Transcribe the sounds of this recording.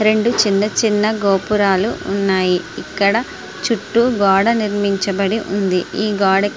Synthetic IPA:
ɾe̞ɳɖut͡ʃinːɐt͡ʃinːɐɡoːpuɾaːluunːaːjiikːɐɽɐ | t͡ʃuʈːuɡɔːɽɐniɾmiɲt͡ʃɐbɐɽiʔund̪iiːɡaːɽɐk

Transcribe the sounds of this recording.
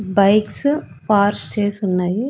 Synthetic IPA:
bɐɪks | paːɾtesunːɐji

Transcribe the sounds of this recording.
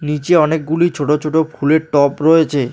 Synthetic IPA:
nit͡ɕeɔnek̚ɡulit͡ɕʰoʈot͡ɕʰoʈopʰuleɾʈɔpɾoet͡ɕʰe

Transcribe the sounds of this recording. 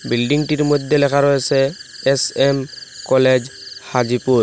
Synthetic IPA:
bilɖiŋʈiɾmod̪ʱːelɛkʰaɾɔjɛsɛesemkɔled͡ʒhad͡ʒipuɾ

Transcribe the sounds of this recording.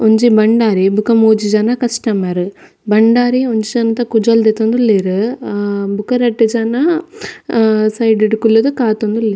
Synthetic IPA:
ɔɲd͡ʒibɐɳɖaːɾibʊkɐmuːd͡ʒid͡ʒaːnakɐsʈɐmaːɾɯ | bɐɳɖaːɾiɔɲd͡ʒid͡ʒaːnɐt̪akʊd͡ʒɐld̪et̪ːond̪ulːeːɾɯ | bʊkɐɾɐʈːid͡ʒaːna | sɐɪɖɪʈɯkːulːɐd̪ɯkaːt̪ond̪ulːi

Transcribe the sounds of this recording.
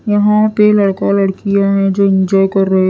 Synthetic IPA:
jɐɦãpelɐɽkãlɐɽkijãɦɛ̃d͡ʒoːɪ̃ɲd͡ʒɔːjkɐɾːɐɦe

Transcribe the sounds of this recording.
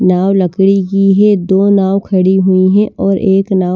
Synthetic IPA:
naːwlɐkɽikiɦɛd̪oːnaːwkʰɐɽiɦʊiɦɛ̃ʔʔɔːɾʔeːknaː

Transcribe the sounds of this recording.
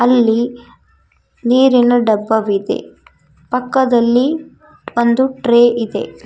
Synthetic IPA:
ɐlːi | niːɾinɐɖɐbːɐʋid̪e̞̰ | pɐkːɐd̪ɐlːi | ond̪uʈɾeːid̪e̞̰

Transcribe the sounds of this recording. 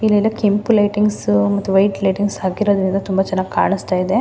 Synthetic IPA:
ilːɐilːɐkimplɐjʈiŋɡsmɐt̪ːuʋɐjʈlɐjʈiŋɡsaːkiɾoːd̪ɾind̪ɐt̪umbat͡ʃɛnːaːɡka̰ːɳist̪aːjid̪e̞

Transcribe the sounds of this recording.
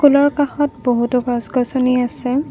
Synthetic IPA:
kulɔɹkaxɔt̚boɦutʊɡasɡɔsɔniasɛ

